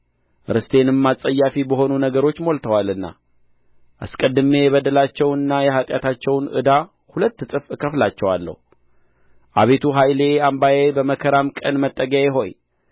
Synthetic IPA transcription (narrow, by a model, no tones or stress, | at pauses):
ɾɨst̪ʰe̞nɨmːasʼəjːafibəɦo̞nunəɡəɾo̞t͡ʃːmo̞lt̪ʰəwalɨnːa̰ | ʔa̰skʼəd̪ːɨme̞jɛβəd̪əlat͡ʃːɛwɨnːajɛɦat̪ʼjat̪ʰat͡ʃːɛwnʔɨ̰d̪a | hulət̪ːɨt̪ʼɨfkʰəflat͡ʃːɛwalːə̰hu | ʔaβe̞t̪ʰuɦajle̞ambajebəməkʰəɾamkʼənmət̪ʼːəɡəeɦo̞ɲ